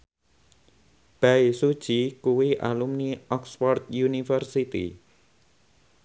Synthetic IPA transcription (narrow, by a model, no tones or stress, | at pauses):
b̥aisud̥ʒ̥ikuwiʔa̰lumniɔksfɔrt̪junifərsit̪ḭ